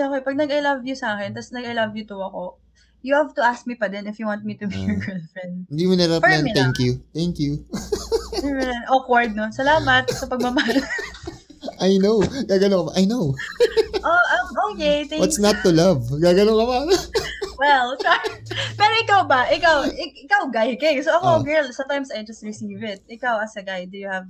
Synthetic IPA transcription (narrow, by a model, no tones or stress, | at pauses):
oːkɛjpɐɡ̚nɐɡɐlɐvjʊsɐaːkɛnt̪ɐsnɐɡɐlɐvjʊt̪ʊɐko̞ | jʊhavt̪ʊʔask̚mipɐd̪ɛnɪfjuwant̪̚mit̪ʊbijɔɹɡɛlfɹɛnd̪̚ɪnd̪imɐnaɾaplnɛŋkjut̪ɛŋkju | mɛnʔokwaɹd̪̚nosɐlaːmɐt̪̚sɐpɐɡ̚mɐmaːlo | ʔajnowɡaːɡɐnoŋkɐpʔajnow | ʔoʔɐʔoːkejt̪ɛŋbɐt̪snɐt̪ːʊlavɡaːɡɐnoŋkɐpa | wɛlɐpɛːɾoʔɪkawbɐʔɪkawɪɪkawɡajkɐsoʔɐkoɡɛɹlsɐ̃mt̪ajmsɐjɾɐst̪̚ɹɪsivɪt̪̚ʔɪkawɐsɐɡajd̪ujʊhɐv